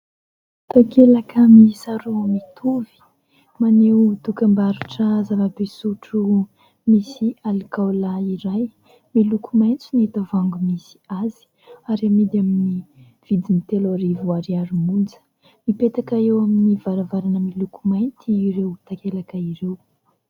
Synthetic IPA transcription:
t̪akelakamisaɾumit̪ʰuvi̥ | manet̪ukambaɾuʈ͡ʂəzavabesuʈ͡ʂu | misialikawlaiɾaj | milukumajnt͡suniet̪avaŋɡumisi̥azi̥ | aɾamid̪amini | v̥id̪init̪eloɾivuaɾiaɾimund͡zə̥ | mipet̪akaewaminivaɾavaɾanəmilukumajnt̪iɾewt̪akelakəiɾew

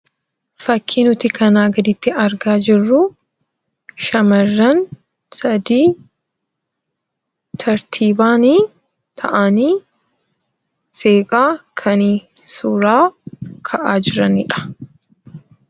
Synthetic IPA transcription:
fɐkʰːiːnʊt̪ɪkɐnaːɡɐd̪ɪt̪ːɪɐɾɡaːd͡ʒɪrːʊ | ʃɐmɐrːɐn | sɐd̪iː | t̪ʰɐɾt̪ʰiːbaːniː | t̪ʰɐʔaniː | seːkʼaːkʰɐniːsʊɾaːkʰɐʔaːd͡ʒɪɾɐnɪ̰ᶑɐ̥

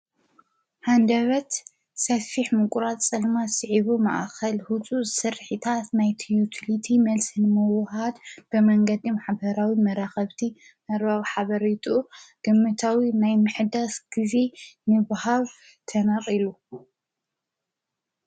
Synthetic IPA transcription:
hand̪ɐβɐt̪ | sɐfiħmɨkʼuɾat̪t͡sʼɐlmasɨʕiβuma̰ʔkɐlhut͡sʼuzɨsɨɾħit̪ʰat̪najt̪ʰijut̪ʰilit̪ʰimɐlsinɨmɨwɦad̪b̥ɨmɐŋɡɐd̪imaħbɐɾawimɐɾaxɐβt̪ʰi | mɐɾbaβħaβɐɾit̪ʰʼuɡ̥ɨmːɨt̪ʰawinajmɨħɨd̪asɡ̥izenɨβahaβ | t̪ʰɐnaχʼilu

